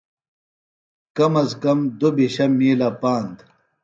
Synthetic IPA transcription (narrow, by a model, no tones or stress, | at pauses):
kɐmɐzkɐmd̪obiɕɐmiːlapaːnd̪